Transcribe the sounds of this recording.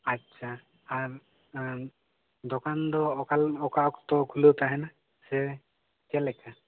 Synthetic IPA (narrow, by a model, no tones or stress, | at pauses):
atːʃʰaː | ɾ | d̪ɔkand̪ɔkalɔkaɔkt̪ɔkʰulot̪aɦɛna | sɛ | t͡ʃɛlɛka